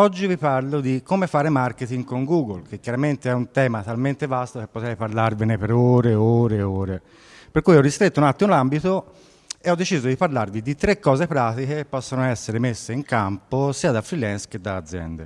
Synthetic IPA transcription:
ɔd͡ʒːivipaɾlod̪ikːomefaːɾemarket̪iŋɡkoŋɡuːɡolkekːjaɾament̪eɛunt̪ɛːmat̪alment̪evast̪okepːot̪ɛjpaɾlarvenepeɾoːɾeoːɾeoːɾe | peɾkujɔrːist̪ɾet̪ːounat̪ːimolambit̪o | eɔd̪ːet͡ʃizod̪ipaɾlarvid̪it̪ɾekːɔːzepɾaːt̪ikepːɔsːonoɛsːeɾemesːeiŋkamposiːad̪afɾilɛnskːed̪ːaːd̪zjɛ̰nd̪ḛ

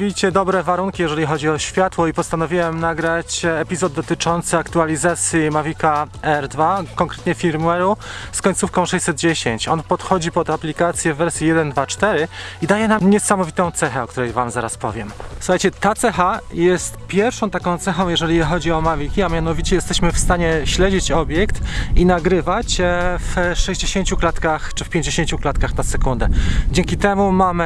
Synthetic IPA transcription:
vʲit͡ɕɛd̪ɔbɾɛvaɾuŋkʲijɛʐɛlʲixɔd͡ʑiɔɕfʲjat̪wɔipɔst̪anɔvʲiwɛmnaɡɾat͡ɕɛpʲizɔd̪ːɔt̪ɘt͡ʂɔnt̪sɘakt̪ualʲizat̪sʲjimavʲikaɛɾd̪vakɔŋkɾɛt̪ɲɛfʲiɾmuɛɾuskɔɲt̪sufkɔ̃w̃ʂɛɕʲsɛd̪̚d͡ʑeɕeɲt͡ɕɔnpɔt̪xɔd͡ʑipɔd̪aplʲikat̪sʲjɛvːɛɾsʲjijɛd̪ɛnd̪vat͡ʂt̪ɛɾɘid̪ajɛnamɲɛsamɔvit̪ɔ̃w̃t̪sɛxɛɔkt̪uɾɛjvamzaɾaspɔ̰vʲjɛmsu̥xajt͡ɕɛt̪at̪sɛxajɛst̪pʲjɛɾfʂɔ̃t̪akɔ̃w̃t̪sɛxɔ̃w̃jɛʐɛlʲixɔd͡ʑiɔmavʲikʲiamʲjanɔvʲit͡ɕɛjɛst̪ɛɕmɘfst̪aɲɛɕlɛd͡ʑit͡ɕɔbʲjɛkt̪inaɡɾɘvat͡ɕfʂɛʑd͡ʑeɕeɲt͡ɕuklat̪kaxt͡ʂɘfpʲjeɲd͡ʑeɕeɲt͡ɕuklat̪̚kaxnasɛkund̪ɛd͡ʑeŋkʲit̪ɛmumamɘ

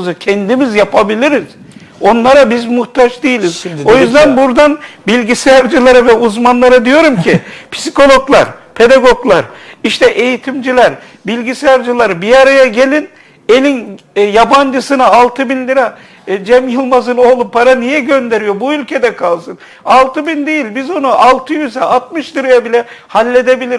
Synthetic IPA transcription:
zɯcʰɛnd̪imizjapʰabilʲiɾiz̥ | o̞nlˠaɾabizmuxt̪at͡ʃd̪ijilʲizo̞jyzd̪ænbuɾd̪anbilʲɟisɛjæɾd͡ʒɯlˠaɾavɛuzmanlˠaɾad̪ijo̞ɾumcʰipʰi̥siko̞lˠo̞ɡlˠaɾpʰe̞d̪aɡo̞ɡlˠaɾiʃt̪ʰɛʔe̞jit̪ʰimd͡ʒilʲæɾ | bilʲɟisɛjæɾd͡ʒɯlˠaɾbijaɾajaɟe̞lʲin | elʲinjaband͡ʒɯsɯnaalˠt̪ʰɯbinlʲiɾa | d͡ʒɛmjɯlˠmazɯnoːlˠupʰaɾanijɛɟø̞nd̪e̞ɾijo̞buylʲcʰe̞d̪ɛkʰalˠsɯn | alˠt̪ʰɯbind̪ejilʲbizo̞nuʔalˠt̪ʰɯjyzɛat̪̚mɯʃd̪ɯɾajabilʲɛhalʲːe̞d̪e̞bilʲiɾ

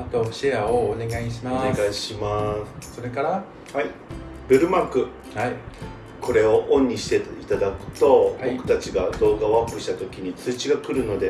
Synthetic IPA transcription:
at̪oɕiaone̞ɡaiɕ̬imaeɡaiɕimasɨ̥soɾekaɾa | hai | bɯɾɯ̟makɯ̟ | a | kʰo̞ɾe̞o̞ʔõ̞ɲ̟ːiɕi̥t̪e̞it̪ad̪akɯ̟̥t̪o̞bo̞kɯ̟̥t̪at͡ɕiɡad̪o̞ːɡaβapːɯ̟ɕi̥t̪at̪o̞kʲiɲ̟it͡sɨːt͡ɕiɡakɯ̟ɾɯ̟no̞d̪e̞

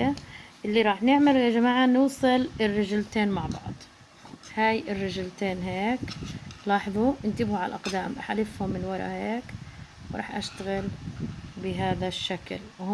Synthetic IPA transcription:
aʔɪlːiɾˤɑːħnɪʕmalad͡ʒamaːʕanuːsˤɨlɪrːɪʒɪlt̪eːnmaʕbɑ̰ʕd̪ˤ | haːjʔɪrːɪʒɪlt̪eːnɦeːklɑːħɑðˤuʔɪnt̪ɪbhuʕalalʔɑqd̪aːmʔaħalɪfhʊmːɪnwɑɾˤɑ̰heːk | wɾˤɑ̰ːħʔaʃt̪aɣɪl | bɪɦaːðaʃːaklwh

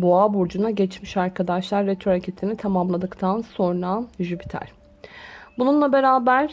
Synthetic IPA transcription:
boabuɾd͡ʒunaɟɛt͡ʃmiʃaɾkʰad̪aʃlˠaɾːɛt̪ʰoɾacʲʰet̪ʰinit̪ʰamamlˠad̪ɯkt̪ʰanso̞nɾaʒypi̥t̪ʰæ̰ɾ̥ | bununlˠabe̞ɾaːbæɾ̥

